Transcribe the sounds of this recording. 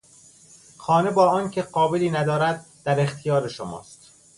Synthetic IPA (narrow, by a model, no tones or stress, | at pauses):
xɒːne̞bɒːɒːncʲʰe̞ɢɒːbeliːnæd̪ɒːɾæd̪̚ːæɾe̞xt̪ʰijɒːɾeʃomɒ̰ːst̪